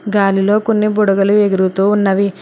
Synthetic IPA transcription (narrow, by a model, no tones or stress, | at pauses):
ɡaːlilo̞ːkonːiboɽɐɡɐluʋeɡiɾɡut̪uːunːɐʋi